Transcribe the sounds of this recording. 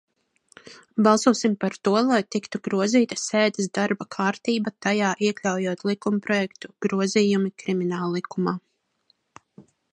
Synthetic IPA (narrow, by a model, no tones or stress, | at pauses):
bɑlˠsuɔsimpaɾt̪uɔlˠajt̪ikt̪uɡɾuɔziːt̪ḁseːd̪ɛsd̪aɾbakʰaːɾt̪iːbat̪ajaːʔiɛklʲawjuɔt̪lˠikumpɾɔjɛkt̪uɡ̥ɾuɔziːjumikɾiminaːlˠlˠikumaː